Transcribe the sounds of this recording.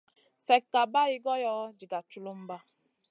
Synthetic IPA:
fɛ˨kːa˨ba˦i˦ɡɔ˦jɔ˦d͡ʒi˨ɡa˨t͡ʃu˦lo˦m̩˦ba˦

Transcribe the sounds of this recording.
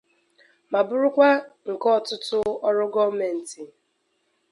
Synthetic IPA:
ma˨bʊ˦ɾʊ˦kʷa˦ŋ̩˨kɔ˦˨tʊ˦tʊ˦ɔ˦ɾʊ˦ɡɔ˦me˨n̩˨ti˨

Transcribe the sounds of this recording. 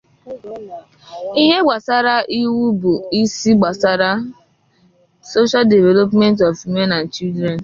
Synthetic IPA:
i˦ɦe˦ɡ͡ba˨sa˦ɾa˦ʔi˦wu˦bu˨i˦si˦ɡ͡ba˨sa˦ɾa˦ | so˦ʃa˦lde˨ve˨lo˦p̬me˦nt̬ɔ˨fwi˦me˦na˨n̩˨t͡ʃi˦ldɾe˨n˨

